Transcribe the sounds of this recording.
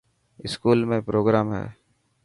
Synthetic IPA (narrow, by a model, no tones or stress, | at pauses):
ɪskuːlmẽpɾoːɡɾaːmɦɛ̰ː